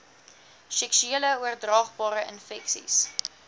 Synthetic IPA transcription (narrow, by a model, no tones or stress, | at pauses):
sɛksyiələuərdrɑːχbɑːɾəənfɛksḭs